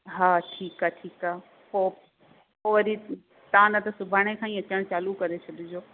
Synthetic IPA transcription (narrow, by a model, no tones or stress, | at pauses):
ɦaːʈʰiːkaʈʰiːkaː | poː | poːʋɐɾi | t̪ɐãnɐt̪ɐsʊbʱaːɽ̃ekʰãːĩːɐt͡ɕəɽ̃t͡ɕaːlukɐɾet͡ɕʰɐɗɪd͡ʑoː